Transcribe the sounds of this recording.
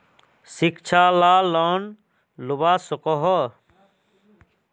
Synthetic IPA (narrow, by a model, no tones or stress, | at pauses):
sikt͡ʃʰalaːlɔːn | lubaːsɔkɔɦɔ